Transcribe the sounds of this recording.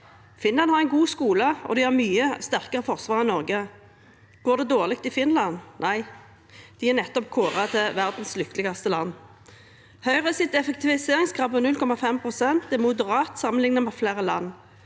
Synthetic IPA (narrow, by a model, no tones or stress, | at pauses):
fɪnlɑnhɑʁɛɪnɡuːskuːləɔ̰d̪ɪhɑʁmyːəst̪æʁkəʁəfɔʁsʋɑːʁɪnɔʁɡə | ɡ̥oːʁd̪ɛd̪oːʁlɪk̚t̪ɪfɪnlɑnnʔæɪ | d̪̥ɪæʁnɛt̪ːɔp̚kʰoːʁɑt̪ʰɛʋæʁd̪n̩slʏkt̪lɪɡɑst̪əlɑ̰nː | hœʏʁəsɪt̪ɛfɛk̚t̪ɪʋɪseːʁɪŋskʰɑʋənʉlkʰɔmɑfɛmpʰʁʊsɛnt̪̚d̪ɛmʊd̪əʁɑːt̪sɑmənlɪŋnəmɛːflæːʁəlɑ̰nː